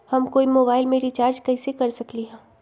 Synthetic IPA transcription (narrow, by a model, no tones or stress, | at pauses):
hɐmkoːimoːbaːɪlmeːɾit͡ʃaːɾd͡ʒkɐɪsekɐɾsɐkliɦɛ̃ː